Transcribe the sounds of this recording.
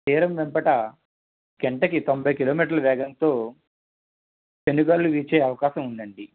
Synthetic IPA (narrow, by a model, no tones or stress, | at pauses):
t̪iːɾɐmʋɛmpɐʈɐ | ɡeɳʈɐkit̪o̞mbʱɐjkiloːmiːʈ̬ɐɾlɐʋɛːɡɐnt̪o̞ː | t͡ʃeniɡɐːɾluʋiːt͡ʃeːɐʋɐkaːʃɐmund̪ɐɳɖi